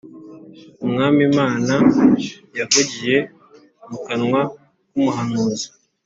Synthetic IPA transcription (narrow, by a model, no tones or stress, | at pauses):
umŋaːmimaːna | jaɡoɟije̞ | mukanŋwa | kumuɦanuːzi̥